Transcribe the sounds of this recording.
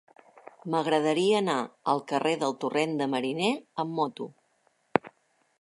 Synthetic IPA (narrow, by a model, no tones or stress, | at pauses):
məɣɾəðəɾiəːnaəlˠkəreðəlˠt̪urend̪əməɾineəmːɔt̪u